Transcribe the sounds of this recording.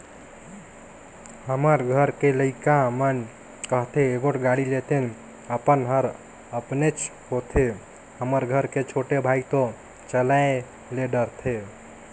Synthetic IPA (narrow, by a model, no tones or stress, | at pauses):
həməɾɡʱəɾkeləɪkamən | kəɦt̪ʰeːɡoʈɡaɽilet̪ʰen | əpənɦəɾ | əpnet͡ʃ | hot̪ʰe | həməɾɡʱəɾket͡ʃʰoʈebʱait̪o | t͡ʃəlae | leɖəɾt̪ʰe